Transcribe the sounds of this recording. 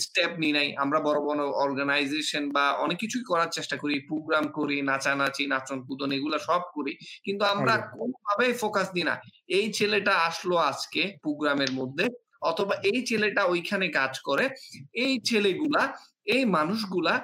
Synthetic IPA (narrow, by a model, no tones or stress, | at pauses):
sʈep̚ninaja̰mɾabɔɾobɔnoɔɾɡanajzeʃonbaɔ̰nekːit͡ɕʰuikɔɾaɾt͡ɕeʃʈakoɾipɾoɡɾamkoɾinat͡ɕanat͡ɕʰinat͡ɕonpud̪ʱoneɡulaʃɔb̚koɾikint̪uamɾakonobʱabefokasd̪ina̰ | ejt͡ɕʰeleʈaaʃload͡ʑkepɾoɡɾameɾmod̪ʱːe | ɔt̪ʰobaʔejt͡ɕʰeleʈaojkʰanekad͡ʑkɔɾeejt͡ɕʰeleɡula | ejmanuʃ̬ɡula